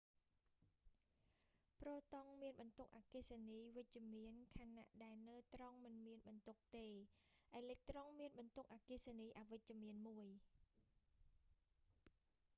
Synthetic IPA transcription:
proːt̪oŋmiənɓɑnt̪uk̚ʔakisaniːʋɨc̚t͡ɕə̆əmiənkʰaːnːa̰ʔɗaɛlnəːt̪roŋmɨnmiənɓɑnt̪uk̚t̪eːʔaɛlɛːk̚t̪roŋmiənɓɑnt̪uk̚ʔaːkisaniːʔaʋɨc̚t͡ɕăəmiənmuəj

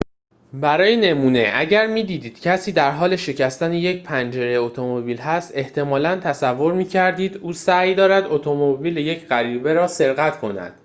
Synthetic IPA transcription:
bæɾɒːjene̞muːne̞ʔæɟæɾmiːd̪iːd̪iːd̪̥cʰæsiːd̪æɾɦɒːle̞ʃe̞cʰæst̪æneje̞cpʰænd͡ʒe̞ɾeot̪ʰo̞mobiːlɦæst̪e̞ht̪ʰe̞mɒːlænt̪ʰæsævːo̞ɾmiːcʰæɾd̪iːd̪uːsæjd̪ɒːɾæd̪o̞t̪ʰomobiːleje̞cʰɢæɾiːbe̞ɾɒːse̞ɾɣæt̪kʰo̞næ̰d̪̥

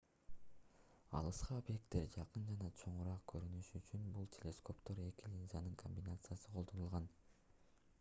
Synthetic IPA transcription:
ɑ̰lˠɯsqɑo̞bje̞k̚t̪ːe̞ɾd͡ʒɑqɯnd͡ʒɑnɑt͡ʃʰo̞ɴuɾɑq̚kʰø̞ɾynyʃyt͡ʃynbulˠtʲʰe̞lʲe̞sko̞pt̪oɾe̞kilʲinzɑnɯŋkʰo̞mʲbʲinat̪sɨjasɯqʰo̞lˠd̪onulˠʁɑn

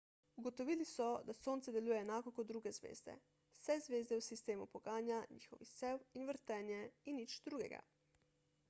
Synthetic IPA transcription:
uɡot̪ɔʋilisɔd̪asoːnt̪sɛd̪ɛluːjɛːnaːkɔkɔt̪d̪ːɾuːɡɛzʋḛːzd̪ɛ̰ | wsɛzʋeːzd̪ɛwsist̪eːmṵpɔɡaːnjaɲḭːxɔʋisewinʋəɾt̪ɛːnjɛinːit͡ʃd̪ɾuːɡɛ̰ɡa̰

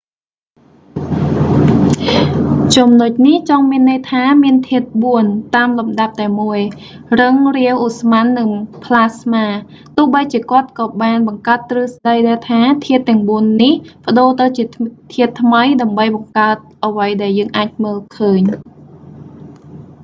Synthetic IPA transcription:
t͡ɕumnoc̚niht͡ɕɑŋmiənːəjt̪ʰaːmiənt̪ʰiət̪̚ɓuənt̪aːmlumɗap̚t̪aɛmuəj | rɨŋriəwʔusmanːɨŋpʰlaːsmaː | t̪ʊ̆əhɓəjt͡ɕiəkŏət̪̚kɑːɓaːnɓɑŋkaət̪ːrɨːsɗəjɗaɛlt̪ʰaːt̪ʰiət̪ːɛ̆əŋɓuənːihpə̆ɗoːt̪ɨwt͡ɕiət̪ʰiət̪ʰːməjɗaəmɓəjɓɑŋkaət̪̚ʔəʋəjɗaɛljəːŋʔaːc̚məːlkʰəːɲ

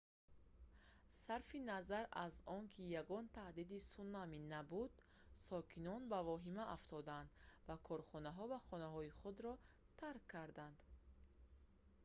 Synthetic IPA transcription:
saɾfinazaɾa̰zɔŋkʰijaɡɔnt̪ʰahd̪id̪isunːaminabud̪ | sɔkʰinɔnbavɔɦimaʔaft̪ʰɔd̪and̪vakʰɔɾχɔnaɦɔvaχɔnaɦɔiχud̪ɾɔ | t̪ʰaɾkʰːaɾd̪and̪̥

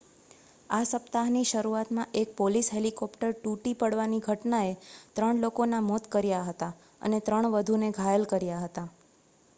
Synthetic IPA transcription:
asəpt̪aɦniʃəɾuat̪mãʔek̚polisɦelikɔpʈəɾʈuʈipəɽʋaniɡʱəʈnaet̪ɾəɳlokonamɔt̪kəɾjaɦət̪a | ə̰net̪ɾəɳ̃ʋəd̪ʱuneɡʱajəlkəɾjaɦət̪a

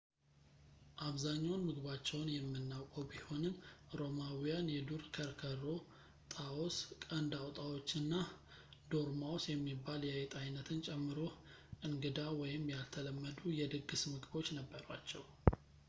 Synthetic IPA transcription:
ʔaβzaɲːawnmɨɡɨbat͡ʃːɛwnjɛmːɨnːawkʼəwbiho̞nɨnɾo̞mawijanjɛd̪uɾkʰəɾkʰəro̞ | t̪ʼaoskʼənd̪awt̪ʼawo̞t͡ʃːɨnːa | d̪o̞ɾmawosjɛmːibːaljɛjɛt̪ʼajnət̪ʰɨnt͡ʃʼɛmːɨɾo̞ | ʔɨŋɡɨd̪awɔjɪmːjalt̪ʰələmːəd̪ujɛd̪ɨɡːɨsmɨɡbo̞t͡ʃːnəbːəɾwat͡ʃːɛw

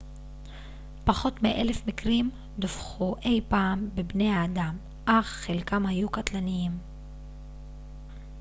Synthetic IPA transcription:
paχo̞t̪meʔelefmikʁim | d̪ofχuʔe̞jpaːmbebne̞jaːd̪am | ʔaχːelkamhajukat̪lanijim

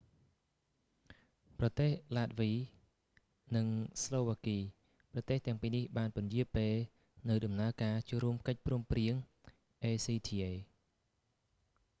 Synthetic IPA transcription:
prɑt̪eːhlaːt̪̚ʋiː | nɨŋsloːʋaːkiː | prɑt̪eːht̪ɛ̆əŋpiːnihɓaːnpʊ̆njiəlpeːl | nɨwɗɑmnaəkaːt͡ɕoəɾuəmkəc̚pruəmpriəŋ | ʔeːsiːt̪ʰiːʔeː

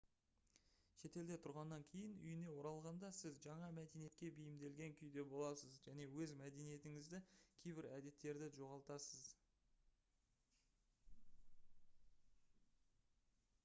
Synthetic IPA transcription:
ʃe̞t̪e̞ld̪e̞t̪ʰʊɾʁɑnːɑŋkʲʰe̞jɪnʏ̰jɪne̞wo̞ɾɑlˠʁɑnd̪ɑsɪzʒɑɴɑmæd̪e̞nije̞t̪̚kʲe̞bejɪmd̪e̞lɡʲe̞ŋkʲʰʏjd̪e̞bo̞lˠɑsəzʒæne̞wɵzmæd̪e̞nije̞t̪ɪŋɪzd̪ɪkʲʰe̞jbɪɾæd̪e̞t̪ːe̞ɾd̪ɪʒo̞ʁɑlˠt̪ɑsəz

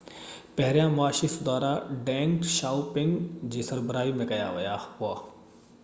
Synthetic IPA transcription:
pɛɦɾjãmʊaːʃisʊd̪aːɾaɖɛ̃ːŋkʃaːʊpɪ̃ŋɡd͡ʑiːsɐɾbɾaːimẽkɐja̰ʋɐjaɦʊaː

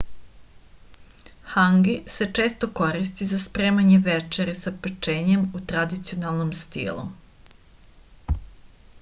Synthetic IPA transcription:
haŋɡise̞t͡ʂe̞ːst̪oko̞ɾist̪izaspɾeːmaɲeʋet͡ʃeɾesapet͡ʃeːɲemut̪ɾad̪it̪sio̞nalˠnomst̪ḭːlˠṵ

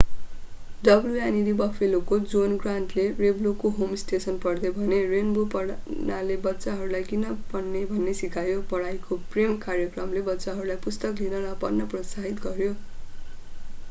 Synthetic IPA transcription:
dʌbljujaniɾibʌpʰelokod͡zonɡranʈlereblokoɦomsʈesʌnpʌrd̪ebʱʌnerenbupʌɽnalebʌtːsaɦʌɾulajkinʌpʌnːebʱʌnːesikajopʌɽajkopremkaɾjʌkrʌmlebʌtːsaɦʌɾulajpust̪ʌklinʌlʌpʌnːʌprʌsaɦit̪ɡʌɾjo

